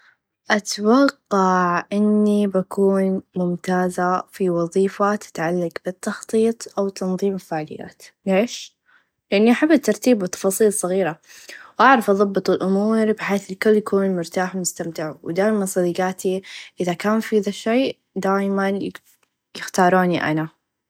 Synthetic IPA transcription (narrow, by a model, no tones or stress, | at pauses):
ʔat̪wɑqːɑʕʔɪnːibakʰuːnmʊmt̪aːzafiwɑðˤiːfat̪ɪ̥t̪ʕalːaɡbɪt̪ːɑxt̪ˤiːt̪ˤʔawt̪ʰːɑnðˤiːmɪlfaʕlɪ̰jːa̰ːt̪leːʃ | lɪʔanːiʔaħabːat̪ːɑɾˤt̪iːbɪt̪ːɑ̥fɑːsˤiːlsˤːɑɣiːɾawʔaʕɾˤɑfʔɑðˤɑbːɨt̪ˤɪlʔʊmuːɾbɪħeːθɪlkʊlːjakuːnmʊɾt̪aːħmʊst̪amt̪ɪʕṵwd̪aːʔɪmansˤɑd̪iɡaːt̪iʔɪðakaːnfiðaʃeː | d̪aːjman | jɪxt̪ɑːɾˤuːniʔa̰na